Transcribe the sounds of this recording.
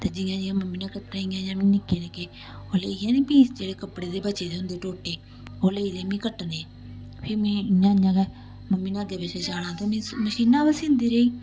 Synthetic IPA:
t̪eːd͡ʒɪjãːd͡ʒɪːãːməmːiːnãːkəʈɾaːĩːãːjãːmĩːnɪkeːneːkeː | oːleiːẽːneːpĩːsd͡ʒeːɽeːkəpːɽeːd̪eːbət͡ʃeːd̪eːɦʊnd̪eːʈoːʈeː | oːleːiːleːmĩːkəʈːneː | pʰɪɾmĩːãːɲãːɡɛː | məmːĩːnãːəɡeːbeːt͡ʃeːt͡ʃaːɽãːt̪eːmĩːməʃiːnãːpəsɪ̃nd̪iːɾeːiː

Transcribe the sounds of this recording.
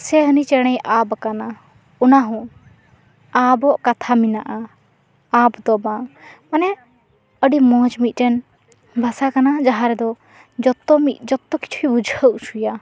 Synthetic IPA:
sɛɦənit͡ʃɛɽ̃ɛjʔabkana | ɔnaɦɔ̃ | abɔʔkat̪ʰaminaʔa | abd̪ɔbãmanɛ | əɖimɔ̃d͡ʒmit̪̚ˀʈɛn | bʱasakanad͡ʒaɦãɾɛd̪ɔ | d͡ʒɔt̪ɔmid͡ʒɔt̪ːɔki̥t͡ʃʰuibud͡ʒʱəʔsuja

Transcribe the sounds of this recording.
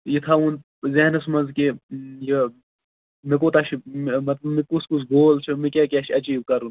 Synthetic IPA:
jit̪ʰaun | zeɦnɐsmɐnzkeje | mik̬oːt̪ɐʃʰimɐt̪lɐmikuskusɡoːlt͡ʃʰumikʲaːkʲaʃʰiɐt͡ʃiːb̚kɐɾun

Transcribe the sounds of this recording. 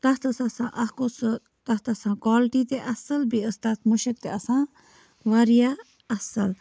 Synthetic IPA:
t̪ɐt̪əsɐsãːʔɐkos | t̪ɐst̪ɐsãːkwaːlʈit̪eʔɐsɐlbiəst̪ɐt̪muʃəkt̪eɐsãː | ʋɐɾija | ɐsɐl

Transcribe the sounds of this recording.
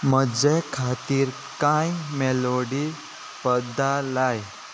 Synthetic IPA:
məd͡ʑekʰat̪iːɾ | kãjmeloɽi | pəd̪ʱːalaj

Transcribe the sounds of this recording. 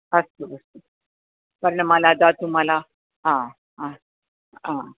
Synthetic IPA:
əst̪əəst̪o | pəɾənmalad̪at̪um̤ala | ɦã | ɦã | ã

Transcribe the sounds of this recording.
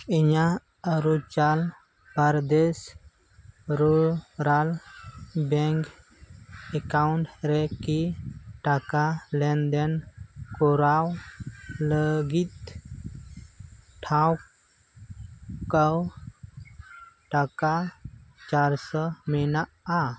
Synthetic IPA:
eɲa | əɾut͡ʃal | paɾd̪es | ɾuɾal | bɛŋk | ekawɳʈɾɛkiʈakalɛnd̪enkɔɾaw | ləɡit̪ | ʈʰãw | kaw | ʈakat͡ʃaɾsəmina | a

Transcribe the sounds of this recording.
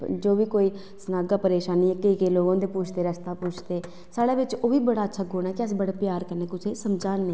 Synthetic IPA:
d͡ʒoːʋiːkoːiː | sənaːɡaːpəɾeːʃaːniːɛːkəkeːloːɡãːnd̪eːpuːt͡ʃʰt̪eːɾəst̪aːpuːt͡ʃʰt̪eː | saːɽeːʋɪt͡ʃoːʋiːbəɽaːətːʃʰaːɡoːnaːkɪəsbəɽepjaːɾkəɾneːkʊt͡ʃʰeːsəmd͡ʒaːnːeː

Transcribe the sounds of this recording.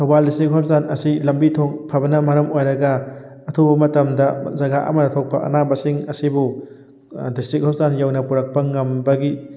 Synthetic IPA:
tʰowbaldistɾik̚ɦɔp̚zanɐsilɐmbitʰoŋpʰɐbɐnɐmɐɾɐmojɾɐɡɐː | tʰubɐmɐtɐmdɐzɐɡaʔɐ̰mɐnɐtʰok̚pɐɐ̰nabɐsiŋɐsibu | distɾik̚hɔp̚zanjawnɐpuɾɐk̚pɐŋɐmbɐɡi

